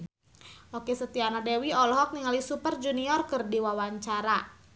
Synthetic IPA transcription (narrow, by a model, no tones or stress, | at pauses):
ʔokesət̪ianadewiɔlɔɦɔk̚niŋalisupərd͡ʒuniɔrkərdiwawaɲt͡ʃaɾa